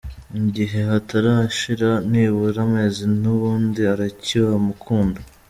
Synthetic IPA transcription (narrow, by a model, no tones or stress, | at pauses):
iɟiɦe̞ɦataɾaʃiɾaniβuɾamezinuβuːndiaɾaciβamukʰuːndo